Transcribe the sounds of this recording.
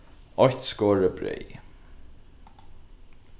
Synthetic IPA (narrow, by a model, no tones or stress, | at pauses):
ɔçt̪skoːɹəbɾḛj